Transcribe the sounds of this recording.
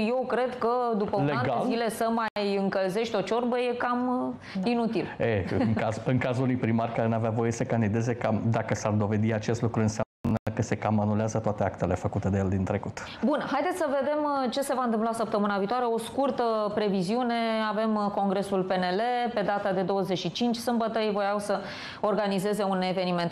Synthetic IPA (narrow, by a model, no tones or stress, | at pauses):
je̞wkɾe̞d̪kəd̪upəleanɡaezile̞səmajɨŋkəlze̞ʃt̪ʲo̞t͡ʃo̞rbəje̞kam | inut̪ileɨŋazɨŋkazulunujpɾimarʲkaɾeneaveavo̞jesəkand̪id̪e̞ze̞kamd̪akəsard̪o̞ve̞d̪iat͡ʃe̞st̪lukɾuɨnsejamnəəkəse̞kamanuleazət̪oat̪e̞akt̪e̞lefəkut̪e̞d̪eeld̪int̪ɾe̞kut̪ | bunhajd̪esʲsəve̞d̪e̞mt͡ʃe̞se̞vaɨnt̪ɨmplasəp̚t̪əmɨnaviːt̪oaɾeo̞skurt̪əpɾe̞viziune̞ave̞mko̞ŋɡɾe̞sulpe̞ne̞le̞pe̞d̪at̪ad̪e̞d̪o̞wəze̞ʃit͡ʃint͡ʃʲsɨmbət̪əejvojawsə | o̞rɡanize̞ze̞une̞ve̞nime̞nt̪